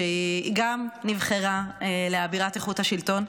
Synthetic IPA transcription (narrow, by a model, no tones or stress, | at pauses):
eiiɡamnivχeʁaeleabiʁat̪eχuthaʃilto̞n